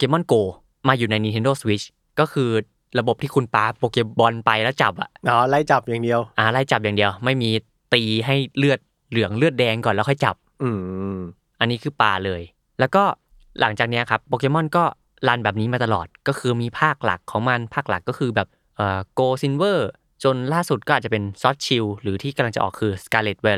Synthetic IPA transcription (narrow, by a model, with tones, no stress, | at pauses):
po˧keː˧˥mɔ˥˩nkoː˧ | maː˧juː˨˩na˧jniː˧t̪ʰe˧ndoː˥˩swi˦˥t͡ɕ̚ʰ | kɔː˥˩kʰɯː˧ | ɾa˧bo˨˩p̚t̪ʰiː˥˩kʰu˧npaː˧poː˧keː˧bɔ˧npa˧jlɛː˦˥wt͡ɕa˨˩p̚ʔa̰˨˩ʔʔɔː˨˧˦la˦˧˩jt͡ɕa˨˩p̚jaː˨˩ŋdi˧əwʔaː˧˩la˧˥˩jt͡ɕa˨˩p̚jaː˨˩ŋdi˧əwma˥˩jmiː˧ | t̪iː˧ɦa˥˩jlɯ˥˩ət̪̚ | lɯ˩˦əŋlɯ˥˩ət̪̚dɛː˧ŋkɔː˨˩nlɛː˦˥xʰɔ˥˩jt͡ɕa̰˨˩p̚ʔɯː˧˩ | ʔa˧nːiː˦˥kʰɯː˧paː˧lɤː˧j | lɛː˦˥wkɔː˥˩ | lʔa˩˦ŋt͡ɕaː˨˩k̚ni˦˥a˨˩kʰa˦˥pːoː˧keː˧mɔ˥˩nkɔː˥˩ | laː˧nbɛː˨˩p̚niː˦˥maː˧t̪a˧lɔ̰ː˨˩t̪̚kɔː˥˩kʰɯː˧miː˧pʰaː˥˩k̚la̰˨˩kʰːɔː˩˦ŋma˧npʰaː˥˩k̚la̰˨˩kːɔː˥˩kʰɯː˧bɛː˨˩p̚ | ʔɤː˨˩koː˧si˧nwɤː˥˩ | t͡ɕo˧nlaː˥˩su˨˩t̪̚kɔː˥˩a˨˩t͡ɕa˨˩pe˧nsɔː˦˥t̪̚t͡ɕʰi˧wɾɯː˩˦t̪ʰiː˥˩ka˧la˧ŋt͡ɕa˨˩ʔɔ̰ː˨˩kʰːɯː˧skaː˧le˨˩t̪̚weː˧˩